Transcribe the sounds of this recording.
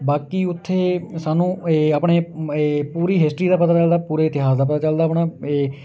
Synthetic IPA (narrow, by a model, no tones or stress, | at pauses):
baːkiːʊt̪ʰːeːsaːnũːeapɳeːpuːɾiːɦɪsʈɾiːd̪aːpət̪aːt͡ʃəld̪aːpuːɾeːɪt̪ɪɦaːsd̪aːpət̪aːt͡ʃəld̪aːpɳaːe